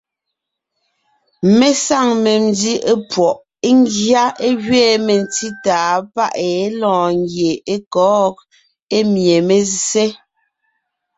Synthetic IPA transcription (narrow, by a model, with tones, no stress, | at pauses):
me˦sa˦˨ŋme˨mndi˦e˦pwɔ˨ʔ | e˦ŋ˦ɡja˦e˦ɣɥeː˦˨me˨n˨ti˦taː˨pa˦ʔe˨˦lɔ̃ː˨ŋ˦ɡje˨e˦kɔː˦k̚ | e˦mje˨me˨se˦